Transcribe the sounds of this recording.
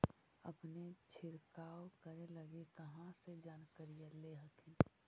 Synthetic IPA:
ə̰pnet͡ʃʰɪɾkaːokəɾeləɡekəɦãsed͡ʒaːnkəɾijaleɦəkʰɪn

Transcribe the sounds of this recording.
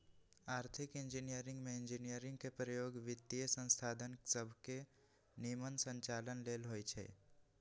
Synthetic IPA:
aːɾt̪ʰɪkɪ̃nd͡ʒinijəɾɪ̃ŋɡmẽɪ̃ɲd͡ʒinijəɾɪ̃ŋɡ̚kepɾəjoːɡʋɪt̪ːijəsə̃nst̪ʰaːd̪ʱənsəbʱke | nimənsə̃ɲt͡ʃaːlənleːlɦojt͡ʃʰɛ̰ː

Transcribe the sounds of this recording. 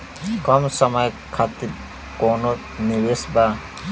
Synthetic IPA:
kɔmsʌmʌj | kʰat̪iɾ | kono | niwesba

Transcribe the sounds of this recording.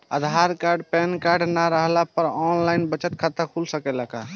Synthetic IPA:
əd̪ʱaɾkaɾɖpɛnkaɾɖnaɾəɦlapəɾɔnlajnbət͡ʃət̪̚kʰət̪akʰulsəkɛlaka

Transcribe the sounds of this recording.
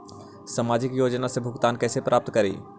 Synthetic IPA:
samaːd͡ʒɪkjoːd͡ʒnasẽbʱʊɡt̪aːnkɛːsepɾʔaːp̚t̪kəɾḭː

